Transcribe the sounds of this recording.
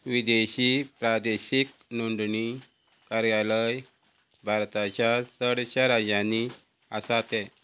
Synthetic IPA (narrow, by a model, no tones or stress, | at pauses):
ʋid̪eɕipɾad̪eɕiknuɳɖni | kaɾjaləj | bʱaɾt̪at͡ɕjasəɽɕaɾad͡ʑani | əsat̪ɛ